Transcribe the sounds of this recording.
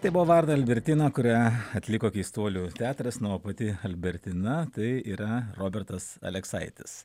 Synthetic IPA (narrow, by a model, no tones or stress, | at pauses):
t̪ɐɪbuʋoʋɐɾd̪ɐɐlʲbʲɛɾʲt̪ʲɪːnɐkʊɾʲæɐt̪ʲlʲɪkoːkʲiːst̪uɔlʲuːt̪ʲæːt̪ɾɐsnuoːpɐt̪ʲɪɐlʲbʲɛɾʲt̪ʲɪnɐt̪ɐɪiːɾɐɾoːbʲɛɾt̪ɐsɐ̰lʲɛksɐɪt̪ʲɪs